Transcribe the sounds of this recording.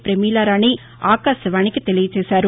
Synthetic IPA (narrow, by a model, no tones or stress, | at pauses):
pɾɛmiːlaːɾaːni | aːkaːsɐʋaːɳɪkːɯt̪ɛlɪʋɐt͡ʃeːsaːɾ